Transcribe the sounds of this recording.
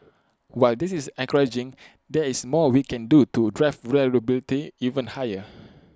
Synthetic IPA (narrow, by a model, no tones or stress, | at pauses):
waɪldisisɛ̃ŋkəɹed͡ʒĩŋ | dɛismɔwikʰɛ̃ndutudɹafɹɛɹəbilitiivə̃nhajə